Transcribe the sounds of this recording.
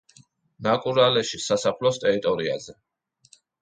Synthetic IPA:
nakʼuɾalɛʃisasapʰlɔst̪ʼɛɾit̪ʼɔɾiazɛ

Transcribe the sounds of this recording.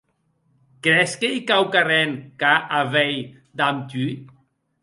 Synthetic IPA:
kɾɛskejkawkarenkaʔaβɛj | d̪amt̪y

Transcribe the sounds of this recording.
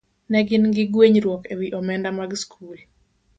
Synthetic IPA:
nɛɡɪnɡɪɡweɲɾwɔkewiʔɔmɛndamaɡskʰul

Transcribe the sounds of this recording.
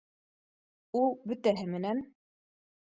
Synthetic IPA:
ulˠbɵ̆t̪æɦɘmɘ̆næn

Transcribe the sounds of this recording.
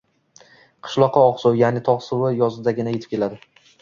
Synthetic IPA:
qʰɨ̥ʃlˠɒqʰːɑɒqsʊwjanɪt̪ʰɒʁsʊwɪjɒzɪd̪aɡʲɪnajet̪ʰɪ̥p̚kʲe̞lad̪ɪ

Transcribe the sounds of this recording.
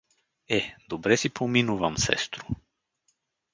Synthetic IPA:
ɛd̪obɾɛsipʰominuvɐmsɛ̰st̪ɾʊ

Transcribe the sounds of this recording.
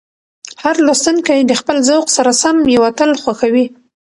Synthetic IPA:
haɾlast̪unkajd̪əxpəlzawqsaɾasamjawat̪əlxwaxawi

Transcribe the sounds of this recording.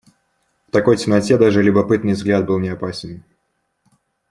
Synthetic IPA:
ft̪ɐko̞jtʲɪmnɐtʲed̪aʐɨlʲʊbɐpɨt̪nɨjvzɡlʲat̪̚bɨlˠnʲɪɐpasʲɪn

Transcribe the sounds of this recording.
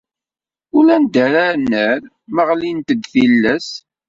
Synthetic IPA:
ʊlænd̪æɾaɾnːəɾ | məʁlint̪əd̪θilːæs

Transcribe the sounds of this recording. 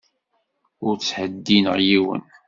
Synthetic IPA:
ʊɾt͡sːħəd̪ːinəʁjiwə̰n

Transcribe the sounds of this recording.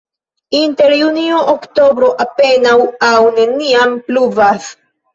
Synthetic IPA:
inte̞ɾjunioʔokto̞bɾo̞ʔape̞nawawne̞niampluvas

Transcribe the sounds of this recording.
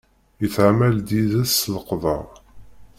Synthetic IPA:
jəθʕmæld̪iðæsləqðˤɑ̰ʁ

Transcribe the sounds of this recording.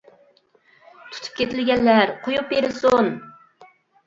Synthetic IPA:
t̪ʰu̥t̪ʰu̥p̚kʲʰet̪ɪlɡʲɛnːæɾqʰojupjeɾɪsun

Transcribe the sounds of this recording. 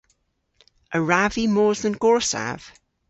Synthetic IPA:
ʔəɹavimɔːzðə̃nɡ̥ɔɹsa̰v̥

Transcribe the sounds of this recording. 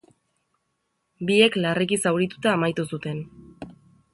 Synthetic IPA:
bie̞klarikisawɾit̪u̥t̪aːmajt̪usut̪e̞n

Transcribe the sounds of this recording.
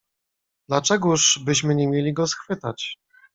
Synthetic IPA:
d̪̥lat͡ʂɛɡuʐbɘɕmɘɲemʲjelʲiɡɔsxfɘt̪at͡ɕ

